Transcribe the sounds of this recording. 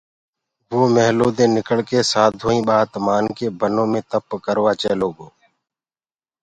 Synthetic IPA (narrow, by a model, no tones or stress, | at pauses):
ʋoːmɛɦloːd̪ẽːnɪkəɽkeːsaːd̪ʱoːĩːɓaːt̪maːnkeːbənõːmẽːt̪əpkəɾʋaːt͡ʃeːloːɡoː